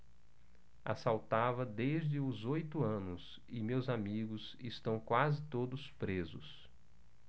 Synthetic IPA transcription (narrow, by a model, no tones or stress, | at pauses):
a̰sawt̪avɐd̪ezd͡ʒɪʊzojt̪ʊɐ̃nʊs | ɪmewzamiɡʊz | ɪst̪ɐ̃w̃kwazɪt̪od̪ʊspɾezʊs